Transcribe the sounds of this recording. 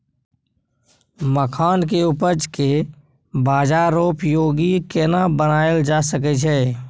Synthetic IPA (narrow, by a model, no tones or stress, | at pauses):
məkʰaːnkeupəɾd͡ʒke | baːd͡ʒaɾoːpjoːɡikenabənaːəld͡ʒaːsək̬ɛt͡ʃʰɛː